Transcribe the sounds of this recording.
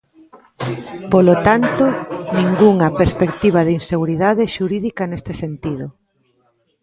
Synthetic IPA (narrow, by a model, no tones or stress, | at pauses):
polot̪ant̪onĩŋɡuŋɐpeɾspekt̪iβ̞ɐðinseɣuɾiðaðeʃuɾiðikɐnest̪esent̪iðʊ